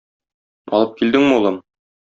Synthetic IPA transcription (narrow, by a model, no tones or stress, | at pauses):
ɒ̰lˠɤp̚kild̪ɘŋmɘulˠɤm